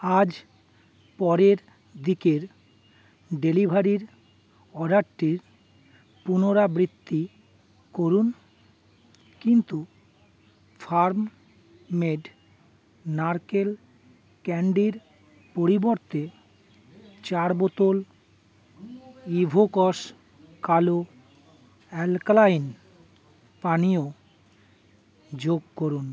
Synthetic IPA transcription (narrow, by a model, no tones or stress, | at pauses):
ad͡ʑ | pɔɾeɾ | d̪ikeɾ | ɖelibʱaɾiɾ | ɔɖaʈʈiɾ | punoɾabɾit̪ʰːi | koɾun | kint̪u | fʰaɾmː | eɖ | naɾkel | kɛɳɖiɾ | poɾiboɾt̪e | t͡ɕaɾbot̪ol | ibʱokɔʃ | kalo | ɛlklajn | panio | d͡ʑoɡ̚koɾun